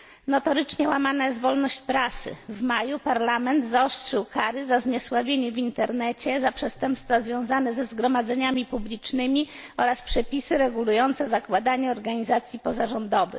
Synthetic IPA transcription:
nɔt̪ɔɾɘt͡ʂɲɛwamanajɛzt̪vɔlnɔɕt͡ɕpɾasɘ̰vmajupaɾlamɛnd̪zɔstʂɘwkaɾɘzazɲɛswavʲjeɲɛvʲint̪ɛɾnɛt͡ɕɛzapʂɛst̪ɛmpst̪fazvʲjɔ̃w̃zanɛzɛzɡɾɔmad̪zɛɲamʲipublʲit͡ʂnɘmʲi | ɔɾaspʂɛpʲisɘɾɛɡulujɔnt̪sɛzakwad̪aɲɛɔɾɡaɲizat̪sʲjipɔzaʐɔnd̪ɔvɘ̰x

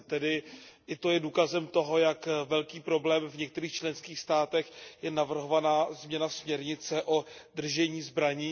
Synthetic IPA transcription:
t̪ɛdɪʔɪt̪o̞jɛduːkazɛmt̪o̞ɦo̞jakvɛlkiːpɾo̞blɛːmvɲɛk̚t̪ɛɾiːxt͡ʃlɛnskiːxst̪aːt̪ɛxjɛnavr̩ɦo̞vanaːzmɲɛnasmɲɛɾɲɪt͡sɛʔo̞d̪r̩ʒɛɲiːzbɾaɲiː

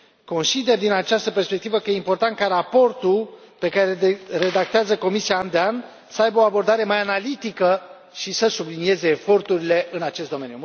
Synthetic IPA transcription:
ko̞nsid̪e̞rd̪inat͡ʃast̪əpe̞rspe̞k̚t̪ivəkəjeimpo̞rt̪ant̪̚kaɾapo̞rt̪ul | pe̞kaɾeere̞d̪ak̚t̪eazəko̞misiaːnd̪ean | səajbəo̞abo̞rd̪aɾe̞majanalit̪ikə | ʃisəsublinie̞ze̞ːfo̞rt̪uɾile̞ʔɨnat͡ʃest̪d̪o̞me̞nju

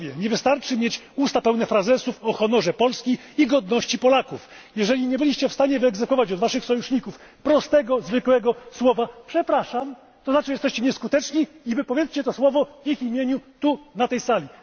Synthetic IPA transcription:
vʲjɛɲɛvɘst̪aɾt͡ʂɘmʲjet͡ɕ | ust̪apɛwnɛfɾazɛsufɔxɔnɔʐɛpɔlskʲiːɡɔd̪nɔɕt͡ɕipɔlakuf | jɛʐɛlʲiɲɛbɘlʲiɕt͡ɕɛfst̪aɲɛvɘɛɡzɛkfɔvat͡ɕɔd̪vaʂɘxsɔjuʂɲikufpɾɔst̪ɛɡɔzvɘkwɛɡɔswɔvapʂɛpɾaʂam | t̪ɔzat͡ʂɛjɛst̪ɛɕt͡ɕɛɲɛskut̪ɛt͡ʂɲiivɘpɔvʲjɛt̪t͡ɕɛt̪ɔswɔvɔvʲiximʲjeɲut̪unat̪ɛjsalʲi

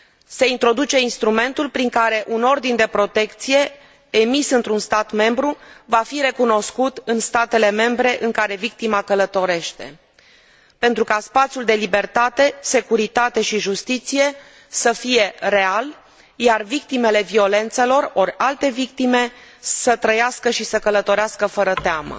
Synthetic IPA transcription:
se̞int̪ɾo̞d̪ut͡ʃe̞inst̪ɾume̞nt̪ulpɾiŋkaɾe̞ʔuno̞rd̪ind̪e̞pɾo̞t̪e̞kt̪sije̞ː | misɨnt̪ɾunst̪at̪me̞mbɾuvafiɾe̞kuno̞skut̪ɨnst̪at̪e̞le̞me̞mbɾe̞ʔɨŋkaɾe̞vik̚t̪imakələt̪o̞ɾe̞ʃt̪e̞̰ | pe̞nt̪ɾukaspat̪sijuld̪e̞libe̞rt̪at̪e̞se̞kuɾit̪at̪e̞ʃiʒust̪it̪sije̞ | səfije̞re̞al | jarvik̚t̪ime̞le̞vio̞le̞nt̪se̞lo̞roɾʲalt̪e̞vik̚t̪ime̞sət̪ɾəjaskəʃisəkələt̪o̞ɾeaskəfəɾət̪eamə̰

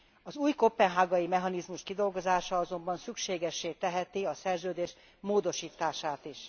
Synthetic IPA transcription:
ɒzuːjkopːɛnɦaːɡɒjimɛɦɒnizmuʃkid̪o̞lɡo̞zaːʃɒɒzo̞mbɒnsykʃeːɡɛʃːeːt̪ɛɦɛt̪iɒsɛrzøːd̪eːʃ | moːd̪o̞ʃiːt̪aːʃaːt̪iʃ

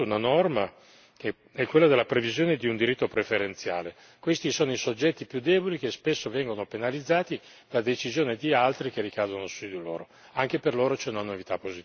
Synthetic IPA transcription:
unanɔrma | ke | ɛkːwelːad̪elːapɾevizjoːned̪iund̪iɾit̪ːopɾefeɾent̪sja̰ːle | kwest̪isoːnoisod͡ʒːɛt̪ːipjud̪ːɛːbolik̟espesːovɛŋɡonopenalid̪zːaːt̪i | d̪̥ad̪et͡ʃizjoːned̪ialt̪ɾik̟erːikaːd̪onosud̪ilo̰ːɾo | aŋkeperloːɾot͡ʃɛunanovit̪apːozit̪

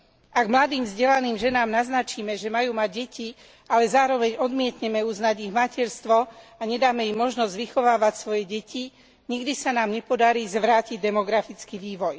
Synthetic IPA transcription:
ʔaɡmlad̪iːmvzɟɛlaniːmʒɛnaːmnaznat͡ʃiːmɛʒɛmajuːmaɟ̚ɟɛcʰi | ʔalɛzaːɾɔʋɛɲɔd̪mɪɛt̪ɲɛmɛuznaɟiɣmacɛɾst̪ʋɔaɲɛd̪aːmɛimɔʒnɔzɟʋixɔʋaːʋacsʋɔjɛɟɛci | ɲiɡd̪isanaːmɲɛpɔd̪aɾiːzʋɾaːciɟd̪ɛmɔɡɾafit͡skiʋiːʋɔj

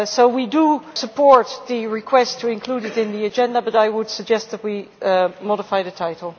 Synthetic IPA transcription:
soʊwidəsəpʰɔɹt̪̚ðɨɹɪkʰw̥ɛstʰɨɪ̃nkʰl̥uɾɨɾɪ̃nðiɨd͡ʒɛ̃ndəbʌɾaɪwəd̥səɡ̚d͡ʒɛst̪̚ðɨt̚wimɔɾɪfaɪðɨtʰaɪɾl̩ˠ

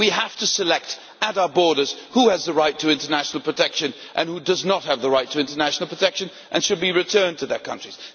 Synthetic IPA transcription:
wiɦæftɨsɨlɛk̚t | ɨɾaʊə˞bɔɹɾə˞z̥huɨzðəɹaɪtʰɨɪ̃ntə˞næʃn̩l̩ˠpʰɹ̥ɨtʰɛkʃɨ̃n | ʔɨ̃nhudʌznət̚hɨvðəɹaɪtʰɨɪ̃ntə˞næʃn̩l̩ˠpʰɹ̥ətʰɛkʃɨ̃n | ʔɨ̃nʃɨd̚biɹɨtʰɜ̃˞ntʰɨðət̚kʰʌ̰̃nt͡ʃɹ̥iz̥

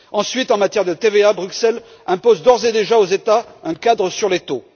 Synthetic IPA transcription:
ɑ̃sɥit̪ɑ̃mat̪jɛʁd̪ət̪eveabʁyksɛl | ɛ̃pozd̪ɔʁzed̪eʒaozet̪aɛ̃kad̪ʁəsyʁlet̪o

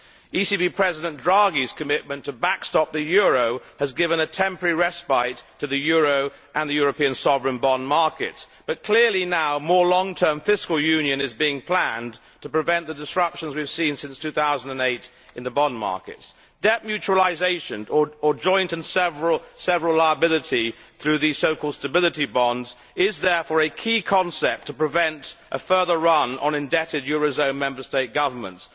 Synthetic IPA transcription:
isibipʰɹ̥ɛzɨɾɨ̃ndɹɑɡiz̥kʰɨmɪʔ̚mɨ̃ntʰəbækstɑp̚ðɨjɔɹoʊɨzɡɪvə̃nɨtʰɛ̃mpə˞iɹɛspaɪtʰɨðɨjʊɹoʊ | ʔə̃nðɨjʊɹɨpĩɨ̃nsɑvɹɨ̃nbɑ̃nmɑɹkɨ̰tsb̥ʌt̚kʰl̥ɪɹlˠinaʊmɔɹlɔ̃ŋtʰɜ̃˞ɱfɪskəlˠjʉ̃njɨ̃nɨzbiɪ̃ŋpʰl̥æ̃n | tʰəpɹ̥ɨvɛ̃nðɨdɨsɹʌpʃə̃nzwiv̥sĩnsɪ̃nstʰʉθaʊzə̃n̩də̃neɪɾ | ɨ̃nðəbɑ̃nmɑ̰ɹkɨ̰ts | d̥ɛp̚mjʉt͡ʃuəlˠaɪzeɪʃɨ̃nəə˞d͡ʒɔ̃ɪ̃ntɨ̃nsɛvɹl̩ˠsɛvəɹəlˠaɪəbɪlˠɨɾi | θɹʉðiz̥soʊkʰɔlˠd̥stɨbɪlˠɨɾibɑ̃ndz | ɪzðɛɹfɔɹɨkʰikʰɑ̃nsɛp̚tʰəpɹ̥ɨvɛ̃ntʔəfɜ˞ðə˞ɹʌ̃nə̰̃nɨ̃ndɛɾɨd̚jʊɹozõʊ̃nmɛ̃mbə˞steɪt̚ɡ̥ʌvə˞mə̰̃nts

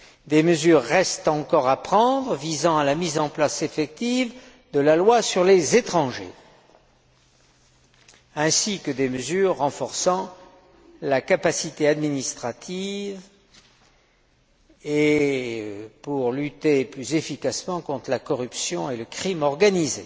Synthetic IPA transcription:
d̪eməzyʁːɛst̪ɑ̃kɔʁapχɑ̃d̪ʁəvizɑ̃alamizɑ̃plasefɛk̚t̪iv | d̪əlalwasyʁlezet̪χɑ̃ʒḛ | ɛ̃sikəd̪eməzyʁːɑ̃fɔʁsɑ̃ | lakapasit̪ead̪minist̪χat̪ʰiv | e | puʁlyt̪eplyzefikasmɑ̃kɔ̃t̪χəlakɔʁypsjɔ̃eləkχimɔʁɡanize

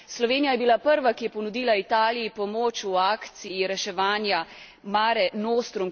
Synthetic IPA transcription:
slɔʋeːnijajɛbilapəɾʋakijɛpɔnud̪iːlait̪aːlijipɔmoːt͡ʃuaːkt̪sijiɾɛʃɛʋaːnja | maːɾɛnoːst̪ɾum

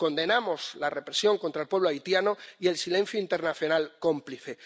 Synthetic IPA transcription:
ko̞nd̪e̞namo̞szlare̞pɾesjo̞ŋkont̪ɾaelpwe̞β̞loajt̪janoie̞lsilẽ̞n̟θjoint̪e̞ɾnaθjo̞nalko̞mpliθe̞

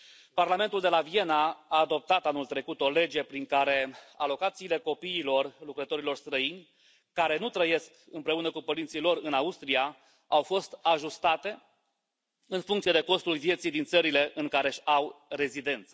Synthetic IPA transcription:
parlame̞nt̪uld̪e̞lavije̞naaːd̪o̞p̚t̪at̪anult̪ɾe̞kut̪o̞le̞d͡ʒe̞pɾiŋkaɾe̞a̰lo̞kat̪siːle̞ko̞piːlo̞rlukɾət̪o̞ɾilo̞rst̪ɾəinʲ | kaɾe̞nut̪ɾəje̞sk | ɨmpɾe̞unəkupəɾint̪silo̞rɨnaust̪ɾia | awfo̞st̪aʒust̪at̪e̞ | ɨnfuŋkt̪sijed̪e̞ko̞st̪ulvije̞t̪sijd̪int̪səɾile̞ʔɨŋkaɾe̞ʃʲawre̞zid̪e̞nt̪sə

